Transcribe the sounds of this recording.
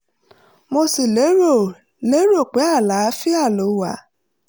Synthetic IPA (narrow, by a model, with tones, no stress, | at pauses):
mo˧si˨le˨˦o˦˨ | le˨˦ɾo˦˨k͡pɛ˨˦a˦˨la˨˦fi˦a˦˨lo˨˦wa̰˨